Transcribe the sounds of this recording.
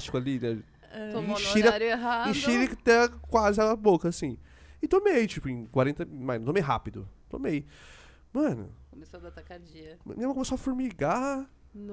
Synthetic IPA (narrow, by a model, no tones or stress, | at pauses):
t͡ʃɪ̥kʊalinɛ | ɛĩʃiɾaɾeɦaĩʃiɾɪkt̪ɛkwazɪɛlɐbokɐːsĩɪt̪omejt͡ʃipʊẽkwaɾẽnt̪ɐmajnt̪õmejɦa̰pid̪ʊ̰t̪o̰mej | mɐ̃nʊ̰komesod̪ɐt̪akad͡ʒiɐmẽmɐkõmesoɐfuɾmiɡa